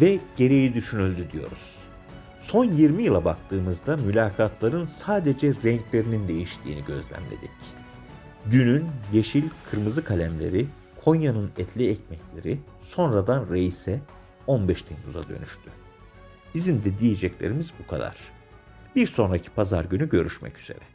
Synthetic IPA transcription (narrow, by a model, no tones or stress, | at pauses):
vɛɟ̥e̞ɾe̞jid̪yʃynylʲd̪yd̪ijo̞̰ɾuz̥ | so̞njiɾmijɯlˠabakt̪ʰɯːmɯzd̪amylʲaːkʰat̪lˠaɾɯnsaːd̪ed͡ʒɛɾɛɲclʲe̞ɾinind̪e̞jiʃt̪ʰḭːniɟø̞zlʲæ̰mlʲḛd̪ic | d̪ynynjeʃilʲkʰɯɾmɯzɯkʰalʲæmlʲe̞̰ɾi | kʰo̞njanɯnɛt̪lʲiɛcmɛclʲe̞ɾi | so̞nɾad̪anɾejisɛ | o̞nbɛʃt̪ʰinuza̰d̪ø̞̰nyʃt̪ʰy | b̥izimd̪ɛd̪ijed͡ʒɛclʲeɾimizbukʰa̰d̪a̰ɾ̥ | b̥iɾso̞nɾacʰi̥pʰaza̰ɾɟynyɟø̞ɾyʃmɛ̰cy̥z̥e̞̰ɾɛ